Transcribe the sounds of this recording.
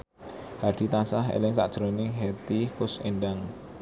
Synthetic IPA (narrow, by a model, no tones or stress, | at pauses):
haɖ̥i̤t̪asaɦḛlɪŋsa̰ʔd̥ʒ̥ɾonɪŋɦet̪ikʊsenɖaŋ